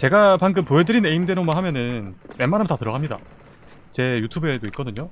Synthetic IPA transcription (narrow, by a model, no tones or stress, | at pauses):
t͡ɕe̞ɡapanɡɯmpoɦedɯɾineimdeɾomaɦamjʌnɯnwe̞manɦamtatɯɾʌɡamɲida̰ | t͡ɕe̞jutʰube̞doit̚k͈ʌdɯɲo